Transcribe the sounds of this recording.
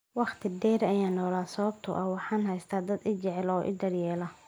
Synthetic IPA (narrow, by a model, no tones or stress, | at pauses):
wɑχt̪ʰɪd̪ɛːɾɐjaːnːɔːlaːsɔβb̚t̪ʰʊ̰ʔɐwɑħɑːnɦɛjst̪ʰaːd̪ɐd̪ɪt͡ʃɛʕɛlɔːʔɪ̰d̪ɐrjɛːlɐ